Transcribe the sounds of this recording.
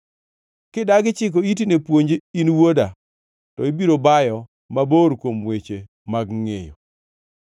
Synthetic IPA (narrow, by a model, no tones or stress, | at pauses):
kɪdaɡɪt͡ʃɪk̬oit̬inepwoɲd͡ʒeinwoda | tɔibiɾobajɔ | maboɾkwomwet͡ʃe | maɡŋḛjɔ̰